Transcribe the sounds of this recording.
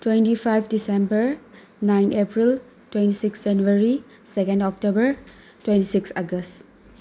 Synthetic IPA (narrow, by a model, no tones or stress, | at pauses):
twentipʰajpʰdisẽmbəɾ | najnepɾil | twẽntisiksd͡ʒanuaɾi | sekẽndɔk̚tobəɾ | twẽntisiksaɡəst